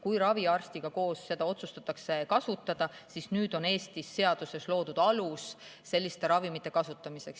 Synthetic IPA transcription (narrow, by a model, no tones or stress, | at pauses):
kujɾɑviɑrst̪iɡ̥ɑko̞ːsse̞d̪ɑo̞t̪sust̪ɑt̪ːˑɑkse̞kɑsut̪ːˑɑd̪̥ɑsisnyːd̪̥o̞ne̞ːst̪isːe̞ɑd̪̥use̞slo̞ːd̪ud̪̥ɑlusːe̞lʲːist̪e̞ɾɑvimit̪ːˑe̞kɑsut̪ːˑɑmise̞ks